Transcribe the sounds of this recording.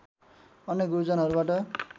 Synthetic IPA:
ʌnjekɡuɾud͡zʌnaɦʌɾubaʈʌ

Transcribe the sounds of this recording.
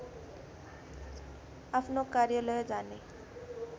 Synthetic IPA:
apʰnokaɾjʌləjd͡ʒaːne

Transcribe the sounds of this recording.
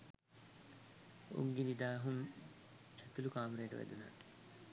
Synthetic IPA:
ṵŋɡenid̪aːɦum | æt̪ulukaːmɾeːʈəʋæ̰d̪una̰

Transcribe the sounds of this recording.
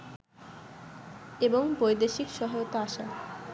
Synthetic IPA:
eboŋbojd̪eʃikʃɔɦajot̪aaʃa

